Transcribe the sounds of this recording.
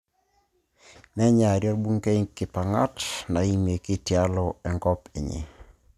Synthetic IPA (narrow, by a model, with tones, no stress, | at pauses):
nɛ˦ɲa˨ɾjɔ˦ɾbu˦ŋke˦ɲkɪ˨pa˨ŋa̰˦tna˨i˦me˨ki˦tja˦lɔ˦ɛ˨ŋɡɔ˦pḛ˨ɲḛ˨